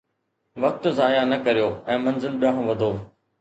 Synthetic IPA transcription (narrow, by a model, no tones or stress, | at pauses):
ʋɐk̚t̪zaːjanɐkɐɾijoːɛ̃ːmɐ̃nzɪlɗãːɦʊ̃ʋɐd̪ʱoː